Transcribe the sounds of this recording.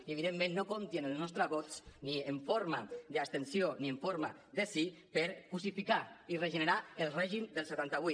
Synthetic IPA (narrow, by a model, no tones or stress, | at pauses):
ieβ̞iðemːẽnːokont̪jenəlznɔst̪ɾaβɔt̪t͡snieɱfoɾmaðəast̪ensionieɱfoɾmaðəsipəɾkusifikaireʒənəɾaəlˠrɛʒimd̪əlˠsət̪ant̪aβui